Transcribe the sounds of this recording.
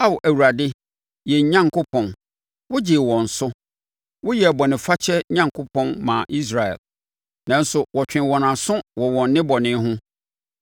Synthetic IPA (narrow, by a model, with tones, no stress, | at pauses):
a˦wʔæ˨wu˨ɾa˨dɪ˦ | jɛ˨ɲã˦ŋkʰʊ˦pʰɔ̃˨n | wʊ˦d͡ʑɪ˨wɔ̃˨n̩˨sʊ˦ | wʊ˦jɛ˨bɔ˨nɪ̃˨fa˦t͡ɕʰɛ˦ɲã˦ŋkʰʊ˦pʰɔ̃˦nmã̰˨ʔi˦s̬ɾa˨ɛ̰˨l | nã˨˦n̩˦sʊ˨wɔ˨t͡ɕᶣɪ̃˨wɔ˨nã˨sʊ̃˦wɔ˨wɔ̃˨nː˦ɪ̃˦bɔ˨nɪ̃˦ɦʊ̃˦